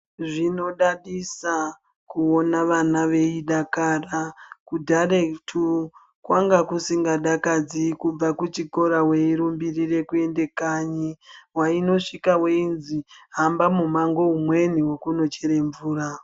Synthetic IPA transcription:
ʐino̞ɗaɗisa | kuonaʋanaʋe̞iɗakaːrakudʱaɾetʰu | kwaŋɡakusiŋɡaɗakad͡zikub͡vakut͡ʃiko̞ɾawe̞iɾumbirire̞kue̞nde̞kaɲiwaino̞ʂikaweinziɦambamumaŋɡo̞umwe̞niwo̞kuno̞t͡ʃe̞ɾe̞ɱvuːra

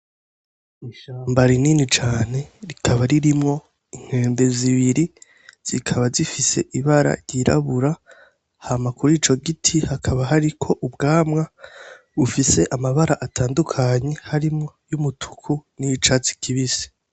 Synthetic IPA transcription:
iʃaːmbaɾininit͡ʃaːne̞ɾikʰaβaɾiɾimŋo̞ | iŋ̥he̞ːnde̞ziβiɾi | z̥ikʰaβazifise̞̰ʔiβaɾa̰ɾjɟiɾa̰βuɾa | hamakuɾiːt͡ʃo̞ɡitʰihakʰaβaɦaɾikʰo̞ʔubɡaːmŋa | βufise̞ʔamaβaɾaʔatʰaːndukʰaɲe̞haɾimŋo̞jumutʰu̥kʰunit͡ʃat͡si̥kʰiβise̥

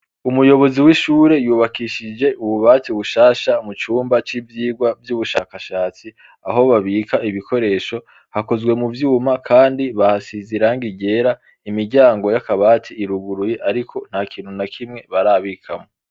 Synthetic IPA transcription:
umujo̞βo̞ziwiʃuːɾe̞juːβakiʃid͡ʒe̞ʔuβuβaːtiβuʃaːʃamut͡ʃuːmbat͡ʃivjiːɡwavjuβuʃa̰ːkaʃaːt͡si | a̰ɦo̞βaβiːkaiβikʰo̞ɾe̞ʃo̞ | hako̞zɡwe̞muvjuːmakʰaːndiβahasiziɾaŋɡiɟe̞ɾa | imiɾɟaːŋɡo̞jakaβaːtʰiːɾuɡuɾuje̞ʔaɾikʰo̞n̥hakʰiːnhunakʰimŋe̞βaɾaːβikʰa̰mo

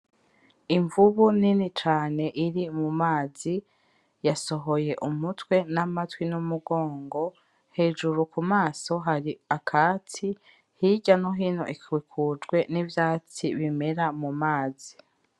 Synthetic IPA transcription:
iɱvuβuninit͡ʃaːne̞ʔiɾimumaːzi | jaso̞ɦo̞je̞ʔumutwe̞namatwinumuɡo̞ːŋɡo̞ | he̞ːʒuɾukumaːso̞ɦaɾiakʰaːt͡si | hiɟanoɦiːnoʔikwikʰud͡ʒɡwe̞nivjaːt͡siβime̞ɾamumaːzi

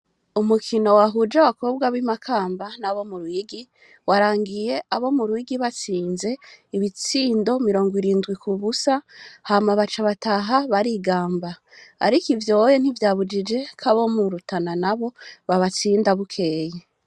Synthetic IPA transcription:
umukʰino̞waɦud͡ʒawakʰo̞bɡaβimakʰaːmbanaβo̞muɾuiɡi | waɾaːŋɡije̞ʔaβo̞muɾuiɡiβat͡siːnze̞iβit͡siːndo̞miɾo̞ːŋɡiɾiːndɡwikʰuβusahamaβat͡ʃaβataɦaβaɾiɡaːmba | a̰ɾikivjo̞jen̥hivjaːβud͡ʒid͡ʒe̞kʰaβo̞muɾutananaβo̞βaβat͡siːndaβukʰe̞ːje

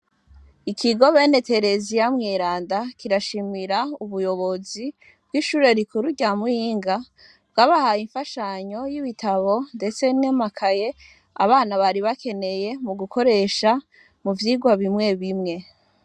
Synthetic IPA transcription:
ikʰiɡo̞βe̞ːne̞te̞ɾe̞zijamŋiːɾaːndakʰiɾaʃimiɾauβujo̞βo̞zi | b̥̚ɡiːʃuːɾe̞ɾikuɾuɟamuhiːŋɡa | bɡaːβahajiɱfaʃaɲo̞jiβitʰaβo̞nde̞t͡se̞nemakʰaje̞ | a̰βaːnaβaɾiβakʰe̞ne̞je̞muɡukʰo̞ɾe̞ʃa | muvjiːɡwaβimŋe̞βimŋe̞

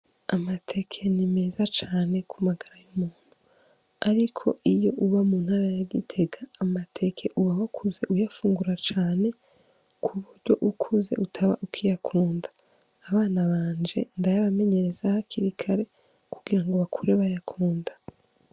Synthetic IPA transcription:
amatʰe̞kʰe̞nime̞zat͡ʃaːne̞kʰumaɡaɾajumuːn̥hu | aɾikʰo̞̰ʔijo̞ʔuβamuːnhaːɾajaɡitʰe̞ɡaːmatʰe̞kʰe̞ʔuβawakʰuze̞ʔujafuːŋɡuɾat͡ʃaːne̞ | kʰuβuɾɟo̞̰ʔukʰuze̞̰ʔutʰaβa̰ʔukʰijakʰuːndḁː | βaːnaβaːnd͡ʒe̞ndajaβame̞ɲe̞ɾe̞z̥ahakʰiɾikʰaɾe̞ | kʰu̥ɡiɾaŋɡoβakʰuɾeβajakʰuːndḁ

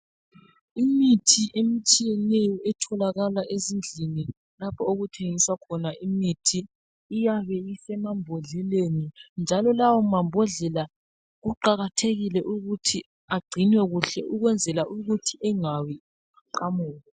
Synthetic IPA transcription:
imitʰiʔemit͡ʃʼijɛnɛjɔʔɛtʰɔlaɣalaʔezind͡ɮʱini | lapʰɔoɣutʰeŋiswakʰɔnaʔimitʰiː | jaβɛisɛmambʱɔɮɛlenind͡ʒʱalɔlawɔmambʱɔɮɛla | ɣuǃaɣatʰeɣilɛʔuɣutʰi | aɡ͡ǀʱinwɛɣuɬɛʔuɣwɛnd͡zʱɛlaʔuɣutʰiʔɛŋawi | ǃamuːɣɔ

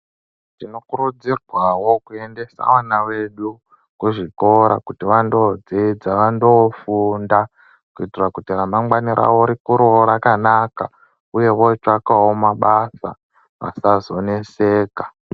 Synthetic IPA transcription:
tino̞kuɾud͡zirwawo̞kue̞nde̞sa̰ʋanawe̞ɗu | kuʐiko̞ɾa̰kutiʋando̞d͡zid͡zaʋando̞funda | kuitirwakutiramamɡwaniɾʔa̰ʋoɾikuɾoɾakanaka | uje̞ʋot͡ʂakawo̞maɓasa̰ | ʋa̰sazo̞ne̞se̞ːka

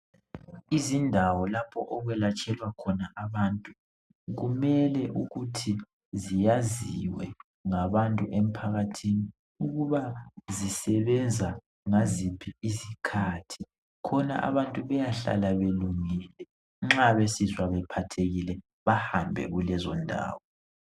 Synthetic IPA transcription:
izindʱawɔlapʰɔʔɔɣwɛlat͡ʃʼɛlwakʰɔnaʔaβantʼu | ɣumɛlɛʔuɣutʰi | zijaziwɛ | ŋaβantʼuʔem̩pʰaɣatʰini | uɣuβazisɛβɛnd͡zʱa | ŋazipʰiisikʰaːtʰi̥ | kʰɔna̰ʔa̰βantʼuβɛjaɬa̰laβeluŋilɛ | ŋ͡ǁaβesizwaβɛpʰatʰeɣilɛ | βahambʱɛ̰ɣulɛzɔndʱa̰ːwɔ

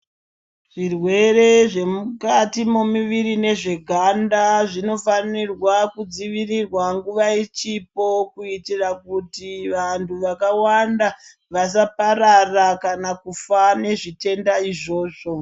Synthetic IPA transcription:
ʐ̥irwe̞re̞ʐe̞mukatimo̞miʋiɾine̞ʐe̞ɡʱandaʐino̞fanirwakud͡ziʋirirwaŋɡuʋait͡ʃip̚o̞kuitirakutiʋantʰuʋakawanda | ʋas̬apaɾarakanakufane̞ʐite̞ndaiʐo̞ːʐo̞

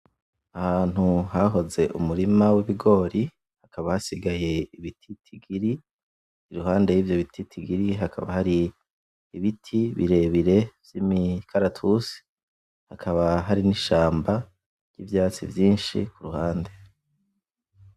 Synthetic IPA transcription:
ahaːn̥huɦaɦo̞ze̞ʔṵmuɾimawiβiɡo̞ːɾi | hakʰaβahasiɡaje̞iβitʰitʰiɡiɾi | iɾuɦaːnde̞jivjo̞βitʰitʰiɡiɾiɦakʰa̰βa̰haɾiː | βitʰiβḭɾe̞βiɾe̞v̥jimikʰaɾatʰusi̥ | hakʰaβaɦaɾiniʃaːmba | ɾjḭvjaːt͡sḭvjiːnʃḭkuɾuhaːnde̞

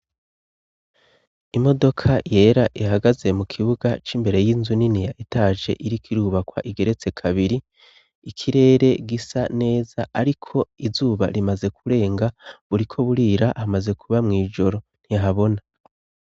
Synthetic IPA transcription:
imo̞do̞kʰaje̞ːɾaʔiɦaɡaze̞mukʰiβuɡat͡ʃimbe̞ɾe̞jinzuninijaitaʒe̞̰ʔiɾikʰiɾuːβakwa̰ʔiɡe̞ɾe̞t͡se̞kʰaβiɾiː | kʰiɾe̞ːɾe̞ɡisane̞ːz̥aaɾikʰo̞izuːβa̰ɾimaze̞kuɾe̞ːŋɡaβuɾikʰo̞βuɾiːɾaʔhamaze̞kʰuβamŋiːʒo̞ɾo̞n̥hiɦaβo̞na

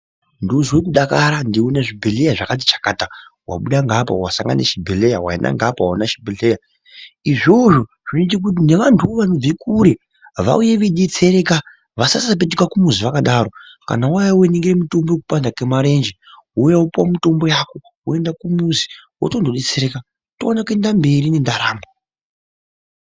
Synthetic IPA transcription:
ndozwek̬uɗakaɾandiunaʐibʱeɮejaʐakat̬i̥t͡ʃḁkatawa̰ɓuɗaŋɡapa̰wasaŋɡa̰nḛʃibʱelejawa̰inʔa̰ŋɡapawanaʃibʱeɮeja | iʐo̞ʐo̞ | ʐ̥inoitik̬ut̬ineʋantʰuoʋanob͡vikuɾe | ʋa̰ujeʋeɗet͡seɾeka | ʋasasap̬et̬ekakumuziʋakaɗaːɾo | ka̰nawajaueneŋɡiremito̞mbokupandakemaɾe̞nd͡ʒewojaupuwamito̞mbo̞jako̞ | woe̞ndakumuzi̥wo̰tondoɗet͡seɾeka | toanakue̞ndambe̞ɾinendaɾaːmba

